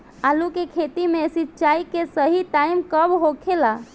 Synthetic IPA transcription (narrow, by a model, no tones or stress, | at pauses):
alukekʰet̪imẽsitːt͡ʃaikesəɦiʈaimkəbɦokʰela